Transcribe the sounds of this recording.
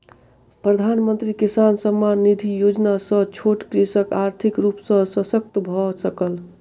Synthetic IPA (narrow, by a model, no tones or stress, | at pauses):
pɾəd̪ʱanmənt̪ɾikisansəmːanːid̪ʱijod͡ʒnasə̃t͡ʃʰoʈkɾisəkaɾt̪ʰikɾupsə̃səsək̚t̪bʱɔsəkəl